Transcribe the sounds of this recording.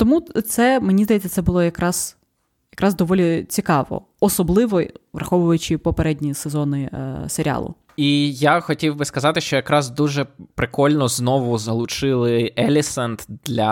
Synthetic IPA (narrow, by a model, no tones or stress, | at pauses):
t̪ɔmut̪sɛmenʲizd̪ɐjet͡sʲːɐt̪sɛbʊlˠɔjɐkɾɑz̥ | jɐkɾʔɑzd̪ɔʋɔlʲit͡sʲikɑʋɔ̰ | ɔsɔblˠɪʋɔʋrɐxɔʋʊʋɐjʊt͡ʃɪpɔpeɾɛdʲnʲisezɔnɪseɾʲa̰lˠʊ̰ | ijaxɔtʲiwbɪskɐzɑt̪ɪʃt͡ʃɔjɐkɾɑzd̪uʒɛpɾɪkɔlʲnɔznɔʋʊzɐlˠʊt͡ʃɪlˠɪɛlʲɪsɐnt̪d̪̥lʲɐ